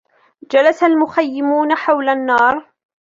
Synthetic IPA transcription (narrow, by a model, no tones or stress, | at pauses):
d͡ʒalasalmʊxajːɪmuːnaħawlanːɑːɾˤ